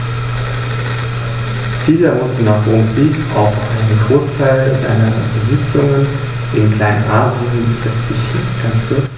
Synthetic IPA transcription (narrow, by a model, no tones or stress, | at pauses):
d̥iːlɐmʊstn̩naχd̥eɐmuziːkʔa̰ʊfʔa̰ɪnənɡʁoːstʰaɪlɛza̰ɪnəbəzɪt͡sʊŋən | ʔɪnkʰl̥aɪnə̰nʔaːziənutɐt͡sɪçtn̩ɡ̥asvɪ